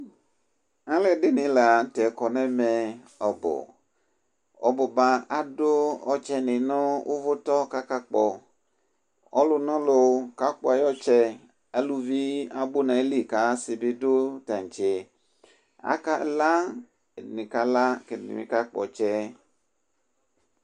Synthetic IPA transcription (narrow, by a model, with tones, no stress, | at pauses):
ã˦lɛ˦ɖe˦nĩ˨la˨˦tɛ˨kɔ˨nɛ̃˦mɛ˨ | ɔ˨bɔ̰˨ | ɔ̰˨bo˨ba˨a˦do˦ɔ˨t͡ʃɛ˦nĩ˨nɔ̃˦wʔo̰˦vo˦t̪ɔ˦ka˦ka˦k͡pɔ˨ | ɔ̰˦lo˨nɔ̃˦lo˨˦ka˦k͡pɔ˦a˨jɔ˦t͡ʃɛ˦ | a˦lu˦vi˦a˦bo˦nã˨˦li˦˨ka˦si˨be˦do˦ta˨n˨t͡ʃe˨ | a̰˦ka˦˨la˦˨ | nĩ˨ka˦la˦ke˨nḭ̃˨mḭ̃˨˦ka˦k͡pɔ̰˨t͡ʃɛ˦